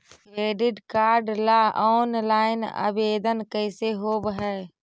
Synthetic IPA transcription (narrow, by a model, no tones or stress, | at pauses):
kɾeːɖɪʈkaːɾɖlaʔɔːnlaːɪna̰beːd̪ənkəɪseɦoːbɦɛː